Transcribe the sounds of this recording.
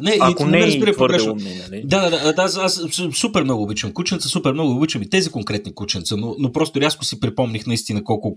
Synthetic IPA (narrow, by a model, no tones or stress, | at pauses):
nɛiinɛɾəzbiɾəpoɾɡɾɛʃnod̪ad̪ad̪ad̪asassupɛɾmnɔɡʊːbit͡ʃvəmkut͡ʃɛntsəsupɛɾmnɔɡʊʊbit͡ʃəmit̪ɛzikoŋkɾɛt̪nikut͡ʃɛnt̪sənonopɾɔst̪ʊɾʲaskʊsipɾipɔmnixnɐist̪inəkɔlˠkʊ